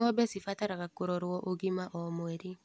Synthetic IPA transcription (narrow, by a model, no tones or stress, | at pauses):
ɔbɛsifataɾakakoɾɔɾwɔʔoɡimaʔɔmwɛɾi